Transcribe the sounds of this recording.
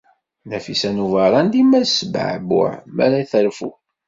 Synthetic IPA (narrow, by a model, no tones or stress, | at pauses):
næfisænuvɑɾˤɑnd̪imæsəbə̰ʕbʊ̰ʕmæ̰ɾæjθəɾfṵ